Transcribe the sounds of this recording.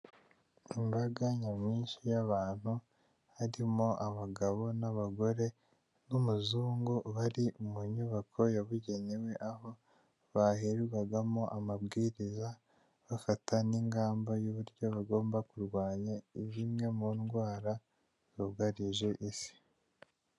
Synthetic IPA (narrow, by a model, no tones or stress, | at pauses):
imbaɡaɲamiːnʃijaβaːn̥hu | haɾimoʔaβaɡaβo̞naβaɡo̞ɾe̞ | numuzuːŋɡuβaɾiumuɲuβakʰo̞jaβuɟe̞ɲiwe̞ʔaho̞ | βaheɾuwaɡamoʔamabɡiːɾiza | βafatʰaniŋɡaːmbajuβuɾɟo̞βaɡo̞ːmbakuɾɡwaːɲaiβimŋe̞muːnɡwaːɾa | zoɡaɾiʒe̞ʔisi̥